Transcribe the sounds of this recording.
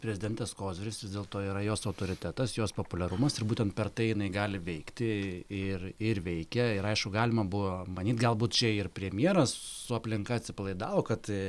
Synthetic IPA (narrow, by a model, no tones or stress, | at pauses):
pʲɾʲɛzʲɪd̪ʲɛnt̪ʲɛskoːzʲʋɪɾʲɪsʋʲɪzʲd̪ʲeːlˠt̪oːiːɾɐjoːsɐʊt̪oːɾʲɪt̪ʲæt̪ɐsjoːspoːpʊlʲɛɾʊmɐsɪɾbuːt̪ʲɛnt̪̚pʲɛrt̪ɐɪjɪnɐɪɡɑːlʲɪʋʲɛɪkt̪ʲɪɪrɪɾʋʲɛɪkʲɛɪɾɐɪʃkʊɡɑːlʲɪmɐbʊʋomɐnʲiːt̪ɡɐlˠbuːt̪t͡ʃʲɛɪrpʲɾʲɛmʲjiɛɾɐssʊɐpʲlʲɪŋkɐɐt̪ʲsʲɪpɐlˠɐɪd̪ɑːʋoːkɐt̪